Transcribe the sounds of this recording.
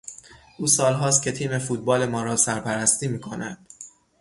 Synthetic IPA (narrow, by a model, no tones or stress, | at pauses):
ʔuːsɒːlɦɒːs̬t̪̚cʰe̞t̪ʰiːme̞fuːt̪̚bɒːle̞mɒːɾɒːsæɾpʰæɾæst̪iːmiːkʰo̞næd̪̥